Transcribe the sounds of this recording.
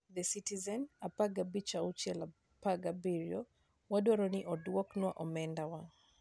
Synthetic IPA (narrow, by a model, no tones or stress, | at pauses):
d̪ɛsitizɛnapaɡabit͡ʃaut͡ʃɛla | paɡabiɾjɔ | wadwɔɾɔnɪʔɔdwɔknwaʔɔmɛndawa